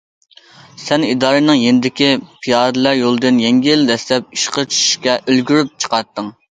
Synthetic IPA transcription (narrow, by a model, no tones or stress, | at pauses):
sɛnid̪ɑːɾɨnɨŋjenɪd̪ɪkʲipʰijɑɾd̪ɨlˠæɾjolˠɨd̪ɨnjɛŋɡʲild̪ɛslɛp̚iʃqət͡ʃʰy̥ʃy̥ʃkʲɛʔølɡʲyɾyp̚t͡ʃʰə̥qɑt̪ːɨŋ